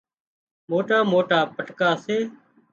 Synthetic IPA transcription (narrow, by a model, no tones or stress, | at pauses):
moːʈaːmoːʈaːpəʈkaːseː